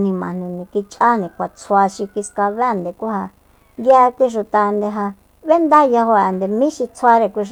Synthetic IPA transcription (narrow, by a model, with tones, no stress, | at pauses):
nĩ˧mã˨n̥ũ˧nĩ˨ki˧t͡ʃʼa˦nĩ˨kʷa˨t͡sʰwa˧ʃi˧ki˧ska˧βe˦˨nd̪e˨kʷu˦ha˧ | nd̪ja˧˦˧kʷi˦ʂ̬u˧t̪a˧nd̪e˧ɦa˧ | βe˦nd̪a˦ja˧ɦo˧a˨nd̪e˨mĩ˦ʃi˧t͡sʰwa˧ɾe˧˨kʷi˧